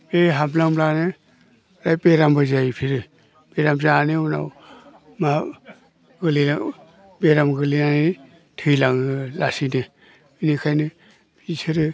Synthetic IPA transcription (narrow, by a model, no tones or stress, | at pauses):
eɦamlamlanɯ | ɾajpeɾambɯzaipʰiɾɯ | peɾamzaːnɯuna̰w | ma | ɡɯlia | beɾamɡɯlinani | tʰɯjlaŋɯlasinɯ | inikʰajnɯ | pisʰɯɾɯ